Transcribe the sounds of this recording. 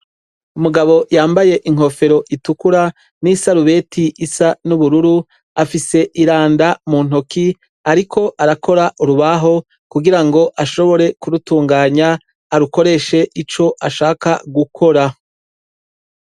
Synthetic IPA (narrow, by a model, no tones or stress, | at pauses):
umuɡaβo̞jaːmbaje̞ʔiŋ̥ɦo̞fe̞ɾo̞ʔitukuɾa | nisaɾuβe̞ːtiʔːsanuβuɾuɾu | afise̞ʔiɾaːndamun̥oki | aɾikʰo̞ʔaɾakʰoɾaʔuɾuβaɦo̞ | kuɡiɾaŋɡo̞ʔaʃo̞βo̞ɾe̞kuɾutuːŋɡaːɲaː | ɾuko̞ɾe̞ʃe̞ʔit͡ʃo̞ʔaʃaːkaɡukʰo̞ɾa